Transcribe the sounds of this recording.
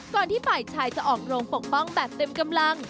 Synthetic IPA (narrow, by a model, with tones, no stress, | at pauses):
kɔː˨˩nt̪ʰiː˥˩paː˨˩jt͡ɕʰaː˧jt͡ɕa˨˩ʔɔː˨˩k̚ɾoː˧ŋpo˨˩k̚pɔ˥˩ŋbɛː˨˩p̚t̪e˧mka˧mla˧ŋ